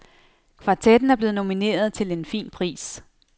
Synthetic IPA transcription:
kʰʋɑ̈t͡sʰed̥n̩æɐb̥le̝ːð̩no̝mine̝̰ːɐð̞ˠt͡sʰe̝le̝nfḭːnpʰʁḭːs

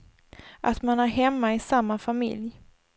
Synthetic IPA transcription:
ʔat̪manæɾɦɛmːaɪsamːafamɪ̰lj

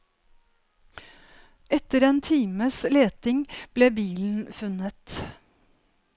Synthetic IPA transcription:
ɛt̪əɾeːnt̪ʰiːməsleːt̪ɪŋb̥leːbiːln̩fʉnət̪

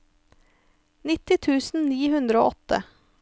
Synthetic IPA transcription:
nɪt̪ɪt̪ʰʉːsn̩niːhʉnd̪ɾəo̰ːʔɔt̪ə̰

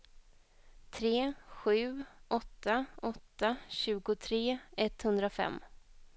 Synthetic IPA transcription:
t̪ʰɾeːɧʉ̟ːʔɔt̪ːaɔt̪ːaɕʉ̟ːɡʊt̪ʰɾeːɛt̪hɵnd̪ɾafɛ̰mː

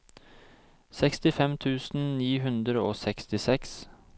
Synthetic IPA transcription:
sɛkst̪ɪfɛmt̪ʰʉːsn̩niːɦʉnd̪ɾəoːsɛkst̪ɪsɛks

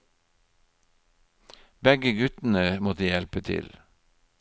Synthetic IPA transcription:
bɛɡəɡʉt̪n̩əmoːd̪iːjɛlpət̪ʰɪ̰l

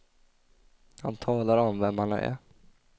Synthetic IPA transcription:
ha̰nt̪ʰɑːlaɾɔmvɛmhan̰æ̰

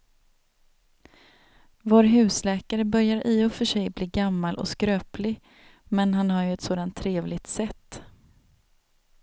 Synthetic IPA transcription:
voːɾɦʉ̟ːslɛːkaɾəbœɾjaɾʔɪːɔfœʂɛjbliːɡamːalʔɔ̰skɾøːplɪ | mɛnɦanhaɾjɵɛt̪soːd̪ant̪ʰːɾeːvlɪɡt̪sɛt̪ː

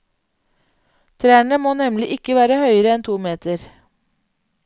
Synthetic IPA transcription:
t̪ʰɾæːɳəmoːnɛmlɪʔɪkəʋæːɾəhœʏəɾəɛnt̪ʰuːmeːt̪əɾ

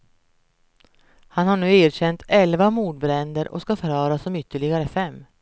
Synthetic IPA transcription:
hanhaɳʉ̟ːeːɾɕɛnt̪ʰɛlvamuːd̪bɾɛnd̪əɾʔɔ̰skafœɾhœːɾasɔmʏt̪ːəɭɪɡaɾəfɛmː

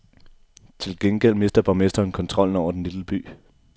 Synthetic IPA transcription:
t͡sʰe̝lɡ̥enɡ̥el̰me̝sd̥ɐb̥ɒmesd̥ɐːnkʰɒ̽nt͡sʰʁɒ̽l̰n̩ɒʊ̰ɐd̥enliləb̥y̰ː

